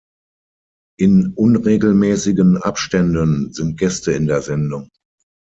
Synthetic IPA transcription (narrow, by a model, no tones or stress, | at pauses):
ʔɪnʔʊnʁeːɡl̩mɛːsɪɡənʔa̰pʃtɛndənzɪnt̚ɡ̥ɛstəɪndeːɐzɛndʊŋ